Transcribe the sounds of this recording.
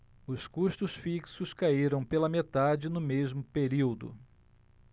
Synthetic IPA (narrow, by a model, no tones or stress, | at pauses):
ʊskuʃt̪ʊsfiksʊskaiɾɐ̃w̃pelɐmet̪ad͡ʒɪnʊmezmʊpeɾiwd̪ʊ̰